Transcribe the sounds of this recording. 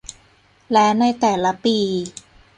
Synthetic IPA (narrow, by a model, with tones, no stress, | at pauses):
lɛ˦˥wna˧jt̪ɛː˨˩la˦˥piː˧